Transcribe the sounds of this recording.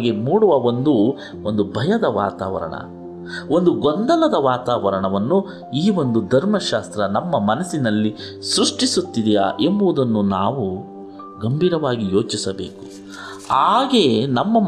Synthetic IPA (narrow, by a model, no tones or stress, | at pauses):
ɡemuːɽuʋɐo̞nd̪u | ond̪ubʱɐjɐd̪ɐʋa̰ːt̪aːʋɐ̰ɾɐ̰ɳɐ̰ | o̞nd̪uɡond̪ɐlɐd̪ɐʋaːt̪aːʋɐɾɐɳɐʋɐnːu | iːʋo̞nd̪ud̪ʱɐɾmɐʃaːst̪ɾɐnɐmːɐmɐnɐsinɐlːi | sɾuʂʈisut̪ːid̪ija̰ːʔembɐʋud̪ɐnːunaːʋu | ɡɐmbʱiːɾɐʋaːɡijo̞ːt͡ʃisɐbe̞̰ːku̥ | aːɡe̞nɐmːɐ